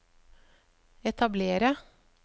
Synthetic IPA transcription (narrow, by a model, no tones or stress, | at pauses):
ɛt̪ʰɑbleːɾə